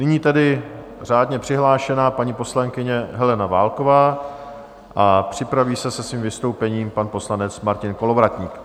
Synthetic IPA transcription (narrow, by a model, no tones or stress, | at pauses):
nɪɲiːt̪ɛdɪ | r̝aːdɲɛpr̥ɪɦlaːʃɛnaːpaɲiːpo̞slaŋkɪɲɛɦɛlɛnava̰ːlko̞vaː | ʔapr̝̥ɪpɾaviːsɛsɛsviːmvɪst̪owpɛɲiːmpanpo̞slanɛt͡smaɾcɪnko̞lo̞vɾat̪ɲiːk